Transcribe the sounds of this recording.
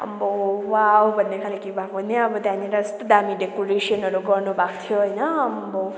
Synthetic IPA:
ʌ̰bowawbʱʌnːekʰalekibʱakbʌneʌbʌd̪ʱaneɾast̪d̪amiɖekoɾesiʌnʌɾuɡʌrnubʱakt̪ʰjoɦʌjnʌʌbo

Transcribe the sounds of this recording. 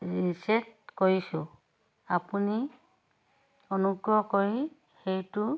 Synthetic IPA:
ɹisɛt̚koɹisʊ | apuni | ɔnuɡɹɔkoɹi | xejtu

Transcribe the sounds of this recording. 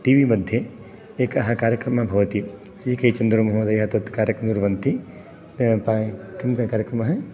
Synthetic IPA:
ʈiːʋimɐd̪ʱje | eːkɐɦɐkaːɾjəkɾɐmɐ̃bʱɐʋɐt̪i | siːkɐit͡ʃɐnd̪ɾomɐɦod̪ɐjɦɐt̪ɐt̪kaːɾjəknuɾʋɐnt̪i | pakɪmkɐkaːɾjəkɾɐmɐɦɐ

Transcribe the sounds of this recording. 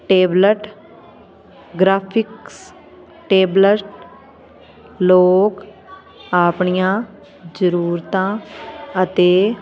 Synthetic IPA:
ʈeːbləʈ | ɡɾaːpʰɪks | ʈeːbləʈ | loːk | aːpɳijãː | d͡ʒəɾuːɾt̪ãːət̪eː

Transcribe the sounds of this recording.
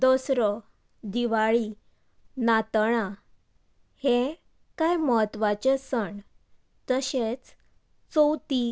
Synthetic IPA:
d̪osɾɔ | d̪iʋaɭi | nat̪ɽ̃a | hẽ | kajməɦət̪ːʋat͡ɕesəɳɖ | t̪əɕet͡s | t͡sowt̪i

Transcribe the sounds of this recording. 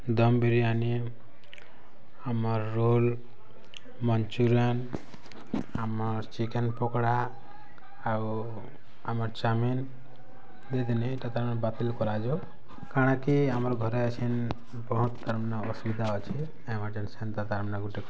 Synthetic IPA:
d̪ɔmbiɾiani | amɔɾːul | mɔnt͡ʃuɾan | amɔɾt͡ʃikɛnpɔkɽaː | amɔɾt͡ʃamin | d̪ed̪iniːʈat̪aɾmnbat̪ilkɔɾad͡ʒo | kaɽ̃akiamɔɾɡʱɔɾeat͡ʃʰin | bɔɦut̪t̪aɾmnaɔsbid̪ʱaɔt͡ʃʰi | emaɾd͡ʒansent̪ad̪aɾmnaɡuʈik

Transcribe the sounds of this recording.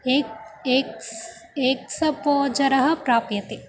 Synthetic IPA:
ek | eːksɐpoːd͡ʒɐɾɐɦɐpɾaːpjɐt̪e

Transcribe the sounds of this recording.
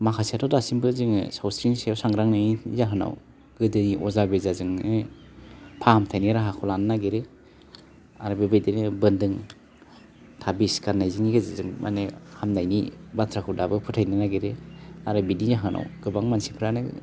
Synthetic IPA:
makʰasiatʰɔdasimbɯziŋɯ̰sawsɾinsiawsaŋɾaŋnazaɦɯna̰w | ɡɯdɯiʔɔzabezazɯŋɯ | pʰahamtʰajniɾaɦakʰɔlanɯnaɡeɾe | aɾɯbebejdenebɯndɯŋ | tʰabiskaɾnːajziŋiɡezazɯŋmʔa̰nehamnajnibatʰɾakʰɯdabɯpʰɯtʰajninaɡeɾeaɾɯbidizaɦɯna̰wɡɯbaŋmansipʰɾanɯ

